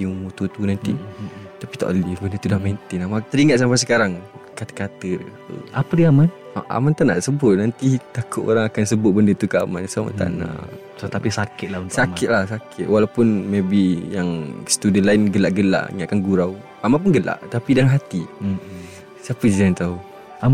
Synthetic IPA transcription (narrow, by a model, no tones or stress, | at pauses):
iumut̪ut̪unant̪ḭt̪apit̪a̰ʔlɪbəndət̪udahmẽnt̪ɪnamãt̪əɾiŋat̪ʔ̪sampajs̬əkaɾaŋkat̪ə̥kat̪ə̰ | apədiaman | aʔa̰mant̪aʔnaʔsəbʊt̪̚nant̪it̪akʊt̪o̰ɾaŋakansəbʊt̪̚bəndət̪ukəa̰mansuama̰nt̪a̰ʔna̰ʔ | t̪apisakɪt̪̚launt̪sakkɪt̪̚lahsakʰɪt̪̚walawpʊnmebijaŋsə̥t̪udənlaɪnɡəlaʔɡəla̰ʔŋaakanɡuɾaw | amanp̬ʊnɡəla̰ʔt̪apidalaŋɦat̪i | sapəid͡ʒaŋant̪au | a